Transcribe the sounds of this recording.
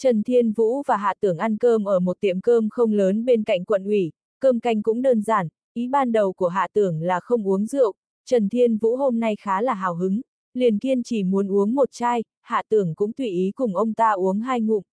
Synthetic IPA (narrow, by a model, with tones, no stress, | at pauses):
t͡ɕə˨˩nt̪ʰi˧ənvṵ˧˥vaː˨˩ɦa̰ː˧˨t̪ɨ˧˩əŋʔa˧nkəː˧mʔəː˧˩mo˨˩t̚t̪i˧˩əmkəː˧mxə˧wŋ͡mləː˨˦nɓe˧nka̰˧˨jŋ̟kwə̰˧˨nʔwi˧˩ | kəː˧mka˧jŋ̟kʊ̰˧˥ŋ͡mɗəː˧nzaː˧˩n | ʔi˨˦ɓaː˧nɗə˨˩wku˧˩əɦa̰ː˧˨t̪ɨ˧˩əŋlaː˨˩xə˧wŋ͡mʔu˨˦əŋzɨ̰˧˨əw | t͡ɕə˨˩nt̪ʰi˧ənvṵ˧˥ho˧mna˧jxaː˨˦laː˨˩ɦaː˨˩wɦɨ˨˦ŋ | li˨˩ənt̪i˧ənt͡ɕi˧˩mu˨˦ənʔu˨˦əŋmo˨˩t̚t͡ɕaː˧j | ha̰ː˧˨t̪ɨ˧˩əŋkʊ̰˧˥ŋ͡mt̪wi˧˩ʔi˨˦kʊ˨˩ŋ͡mʔə˧wŋ͡mt̪aː˧ʔu˨˦əŋɦaː˧jŋʊ̰˧˨ŋ͡m